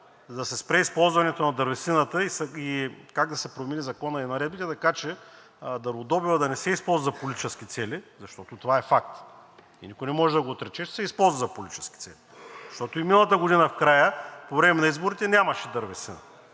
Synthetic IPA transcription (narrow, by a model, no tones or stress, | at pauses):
d̪ɐsɛspɾɛispɔlˠzvɐnɛt̪onɐd̪ɐɾvɛsinət̪əisikaɡd̪ɐsɛpɾominizɐkɔnəinɐɾɛd̪bit̪ɛt̪ɐkat͡ʃɛ | d̪ɐɾvod̪ɔbivəd̪ɐnɛsɛispɔlˠzzɐpolʲit̪i̥t͡ʃɛsk̟it̪sɛlizɐʃt̪ɔt̪ot̪ovaɛfak̚t̪ | ḭnikʊjnɛmɔʒɛd̪ɐɡoːt̪ɾɛt͡ʃɛʃt̪ɛ̥sɛispɔlˠzvɐzɐpolʲit̪it͡ʃɛ̥ski̥t̪sɛlizɐʃt̪ɔt̪oiminəlˠɐt̪əɡoʊd̪inəfkɾajəpovɾɛmɛnɐizboɾit̪ɛnʲamɐʃɛd̪ɐɾvɛsinə̰